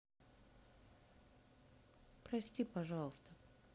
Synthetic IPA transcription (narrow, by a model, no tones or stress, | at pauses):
pɾɐsʲtʲipɐʐɑlˠəst̪ə